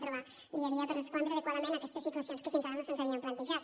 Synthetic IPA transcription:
t̪ɾuβa | iaβiaðerespond̪ɾeaðekwaðɐmẽnakest̪əsːit̪uɐsjonskəfinzaɾnosenzaβiɐmplant̪eʒat̪

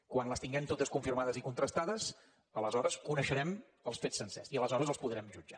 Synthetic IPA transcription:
kwanləst̪iŋɡɛmt̪ot̪əskuɱfirmaðəzikunt̪ɾəst̪aðəs | ələzɔɾəskunəʃəɾɛm | əlˠsfet͡ssːənsɛ̰siələzɔɾəzəlˠspuðɾɛmʒud͡ʒa

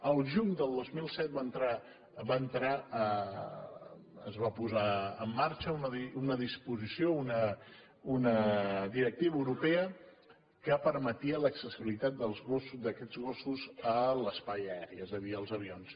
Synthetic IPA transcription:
əlˠʒuɲd̪əlˠd̪ozmilˠsɛt̪̚bant̪ɾa | bant̪ɾaə | əzβapuzaəmːaɾt͡ʃəunəðiunəðispuzisiounə | unəðiɾək̚t̪iβəwɾupeə | kəpəɾmət̪iələksəsiβilit̪at̪̚d̪əlˠzɣosud̪əkɛd̪d͡zɣosuzələspajəɛɾiɛzəðiəlˠzəβions

